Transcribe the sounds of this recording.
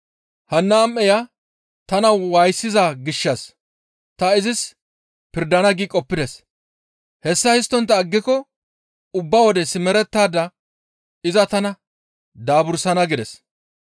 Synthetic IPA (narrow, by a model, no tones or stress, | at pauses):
hɐnːaːmʔɛjɐ | t̪ɐnɐwɐjsːɪzaɡɪʃːɐs | t̪ɐɪzɪs | pɪɾd̪ɐnɐɡiːkʼɔpːɪd̪ɛs | hɛsːɐhɪs̬t̪ːɔnt̪ːɐːɡːɪkɔ | ʊbːɐwɔd̪ɛsɪmɛɾɛt̪ːaːd̪ɐ | ɪzɐt̪ɐnɐ | d̪aːbʊɾsɐnɐɡɪd̪ɛs